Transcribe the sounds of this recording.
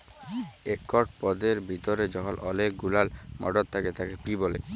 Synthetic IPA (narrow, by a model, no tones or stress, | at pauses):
ekːɔʈ̚pɔd̪eɾbʱit̪oɾed͡ʑɔɦɔlɔlek̚ɡulalmʔɔ̰ɖod̪t̪ʰaket̪akepibɔlḛ